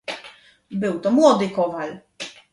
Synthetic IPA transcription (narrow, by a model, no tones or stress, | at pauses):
bɘwt̪ɔmwɔd̪ɘkɔval